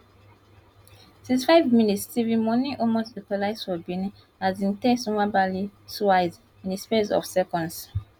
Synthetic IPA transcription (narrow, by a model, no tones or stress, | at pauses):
sisfaɪvmĩnitstivĩmɔniʔomosikɔlaɪsfɔbĩni | azĩntɛsumabalisaɪz | ĩnespes̬ɔ̰fsɛkɔ̃ns